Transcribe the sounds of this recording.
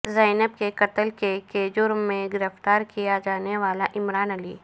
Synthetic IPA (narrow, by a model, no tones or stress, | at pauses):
zɛːnəb̚kekɐt̪əlkeked͡ʒʊɾmːẽɡɪɾəft̪aːɾkijad͡ʒaːneʋaːlaʔɪmɾaːnɐliː